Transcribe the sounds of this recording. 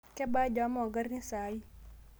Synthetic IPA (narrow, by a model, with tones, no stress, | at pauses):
kɛ˦ba˦d͡ʒa˨˦mɔ˨ɡə˦rni˦sa˨i˦